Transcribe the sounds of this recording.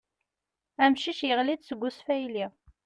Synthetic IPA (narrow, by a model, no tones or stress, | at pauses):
æmʃiʃjəʁlid̪səɡʷːʊsfæjliʁ